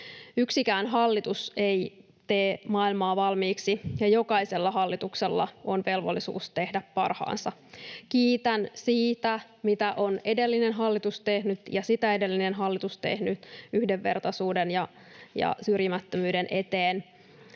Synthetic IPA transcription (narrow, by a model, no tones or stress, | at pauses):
yksikæːnɦɑlːit̪use̞i | t̪eːmɑːilmɑːʋɑlmiːksijɑjo̞kɑiselːɑɦɑlːit̪ukselːɑ̰onʋe̞lʋo̰lːisṵːst̪e̞hdæppɑ̰rhɑ̰ːnsɑkiːt̪ænsiːt̪æ | mit̪æʔo̞ne̞de̞lːinenɦɑlːit̪ust̪e̞hnyt̪jɑsit̪æede̞lːinenɦɑlːit̪ust̪e̞̰hnyt̪yhdeʋːe̞̰rt̪ɑsuːdenjɑ | jɑ̰syrjimæt̪ːømyːdenʔe̞t̪eːn